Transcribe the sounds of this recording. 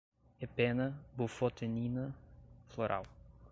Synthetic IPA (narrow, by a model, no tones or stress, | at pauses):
epɛnɐbufot̪eninɐfloɾʔa̰w